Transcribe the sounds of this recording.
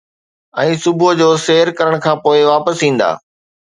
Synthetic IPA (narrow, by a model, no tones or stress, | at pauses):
ɛ̃ːsʊbod͡ʑoːseːɾkɐɾəɽ̃kʰãːpoːɪʋaːpəsĩːn̆d̪a̰ː